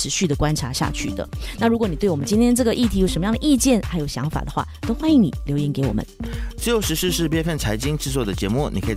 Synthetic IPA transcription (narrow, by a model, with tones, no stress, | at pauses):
ɻ̩˧˥ɕy˥˩d̪ə˩kwa˥nʈ͡ʂʰa˧˥ɕja̰˥˧t͡ɕʰy̰˥˩d̪ə̰˩na˥˩ɻu˧˥kwni˨˩t̪we˥˩ɪwə˦t͡ɕi˥nt̪ʰɛ˥nʈ͡ʂɤ˥˩ɡə˩ʔi˥˩t̪ʰi˧˥jo˨˩ʂməjɑ˥˩d̪ə˧ʔi˥˧t͡ɕjɛ˥˩nxa˧˥ɪjo˨˩ʊɕjɑ̰˧˥ŋfa̰˨˩d̪ə˦xwa̰˥˩t̪o˥xwa˥ni˧˥ŋnḭ˨˩ljo˧˥ʊjɛ˧˥nke˧˥ɪwɔ˨˩mə̰˦nt͡sɹ̩˥˩jo˧˥ʊʂɻ̩˧˥ʂɻ̩˥˧ʂɻ̩˥˧p̬jɛ˥˧nfə˥˩nt͡sʰa˧˥ɪt͡ɕi˥ŋʈ͡ʂɻ̩˥˧t͡swɔ˥˩d̪ə˩t͡ɕjɛ˧˥mu˥˩nḭ˨˩kʰɤ˧˥i˨